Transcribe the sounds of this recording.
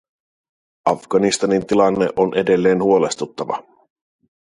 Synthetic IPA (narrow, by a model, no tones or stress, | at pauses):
ʔɑfɡ̥ɑnist̪ɑnint̪ilɑnːeʔo̞nʔe̞de̞lːe̞ːnhuo̞le̞st̪ut̪ːɑʋɑ̰